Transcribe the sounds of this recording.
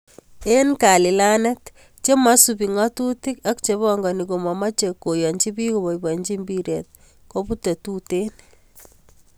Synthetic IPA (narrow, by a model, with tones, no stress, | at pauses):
enka˨lɪ˨la˦nɛt | t͡ʃe˦ma˦supi˨ŋɔtu˦ti˦ka˦k̚t͡ʃeβɔŋɡɔ˨niko˨mɔ˨ma˦t͡ʃeko˨jɔ˨ɲt͡ʃi˦pi˦ko˨bɔ˨iba˨ɲd͡ʒi˦mbiɾɛt̚ | ko˦pu˦te˨tuten